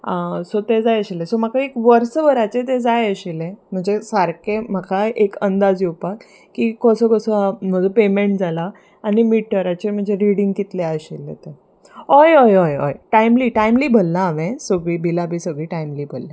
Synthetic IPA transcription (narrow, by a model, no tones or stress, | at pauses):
asot̪ed͡zajəɕilẽsomakaekʋəɾsəʋəɾat͡set̪ed͡zajəɕilem̤əɳd͡zesaɾkem̤akʰaekənd̪ad͡zjupak | kːikəsəkəsəm̤əd̪ʱupemeɳʈd͡zʱalaː | ɽimiʈ̚ːəɾat͡ɕem̤əɳd͡zeɾiɽĩŋɡkit̪leəɕilːḛt̪e | ojojojo̰jʈajmliːʈajmliːbʱəlːaːʋẽsəɡɭiːbilabʱiːsəɡɭiːʈajmliːbʱəlːẽ